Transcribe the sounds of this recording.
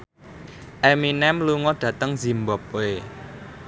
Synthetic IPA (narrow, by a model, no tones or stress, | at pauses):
ʔeminɛmluŋɔɖ̪̥ä̤t̪əŋz̥i̤mbɔp̚e